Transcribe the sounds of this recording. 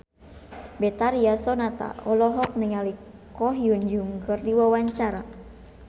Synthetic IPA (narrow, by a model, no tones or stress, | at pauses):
bɛt̪aɾiasɔnat̪a̰ɔlɔɦɔk̚niŋalikɔɦijuɲd͡ʒuŋɡərdiwawaɲt͡ʃaɾa